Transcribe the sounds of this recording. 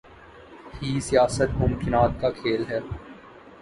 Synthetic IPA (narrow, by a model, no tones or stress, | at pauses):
hiːsijaːsət̪mʊmkɪnaːt̪̚kakʰeːlɦɛː